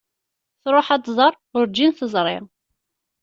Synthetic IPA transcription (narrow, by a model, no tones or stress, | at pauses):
θɾˤoħat̪zˤɑrˤ | ʊɾd͡ʒinθəzˤɾˤɪ̰